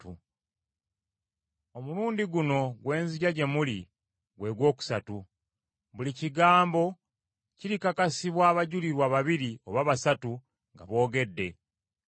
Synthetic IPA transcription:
omuluːndiɡuno̞ɡwe̞ːnziɟaɟe̞muli | ɡwe̞ːɡwo̞ːku̥satu | βuliciɡaːmbo̞ | ciɾikakasiβwaːβaɟuliɾwaːβaβiɾio̞βaːβasatu | ŋɡa̰βo̞ːɡe̞dːe̞

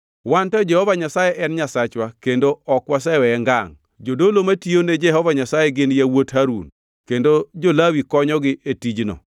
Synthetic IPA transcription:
wantɔd͡ʒɛhɔvaɲasajeʔɛnɲasat͡ʃwakendoɔkwas̬ɛwɛɛŋɡa̰ŋ | d͡ʒodolomationed͡ʒɛɦɔvaɲasajeɡɪnjawothaɾṵn | kendod͡ʒolawikɔɲɔɡɪʔetid͡ʒnɔ̰

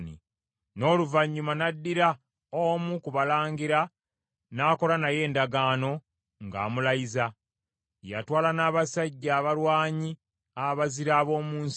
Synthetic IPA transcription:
nḭ | no̞ːluvaɲːumanadːiɾa | omukuβalaːŋɡiɾa | naːko̞lanaje̞ːndaɡaːno̞ | ŋɡa̰ːmulajiza | ja̰twaːlanaːβasaɟːaːβaɾwaːɲi | aβaziɾaːβo̞ːmuːns

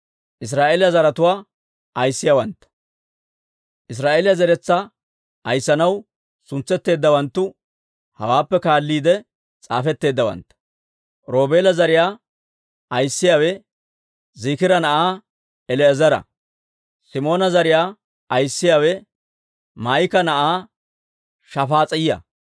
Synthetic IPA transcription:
ʔɪs̬ɾaːʔeːlɪjɐzɐɾɐt̪ʊwaː | ɐjsːɪjawɐnt̪ːɐ̥ | ʔɪs̬ɾaːʔe̞ːlɪjɐzɛɾɛt͡sːɐ | ɐjsːɐnɐw | sʊnt͡sːɛt̪ːe̞ːd̪ːɐwɐnt̪ːʊ | hɐ̰waːpːɛkaːlːiːd̪ɛ | t͡sʼa̰ːfɛt̪ːe̞ːd̪ːɐwɐ̰nt̪ːɐ̥ | ɾo̞ːbe̞ːlɐzɐɾɪjaː | ɐjsːɪjaːwɛ | ziːkɪɾɐnɐʔaː | ɛlɛːzɐɾɐ̰ | sɪmo̞ːnɐzɐɾɪjaː | ɐjsːɪjaːwɛ | maːjkɐnɐʔaː | ʃɐfaːt͡sʼɐjɪjɐ̰

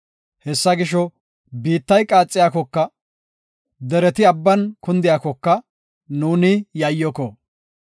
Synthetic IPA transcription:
hɛsːɐɡɪʃɔ | biːt̪ːɐjkʼaːt͡sʼːɪjaːkɔkːɐ | d̪ɛɾɛt̪ɪɐbːɐnkʰʊnd̪ɪjaːkɔkːɐ | nuːnɪjɐjːɔkɔ

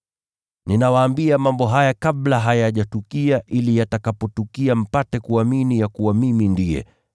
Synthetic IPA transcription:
ninawaːmbiamambɔɦajakaɓlaɦajaʄatukiaʔilijatakapɔtukiam̩patɛkuaminijakuwamimindijɛ̰

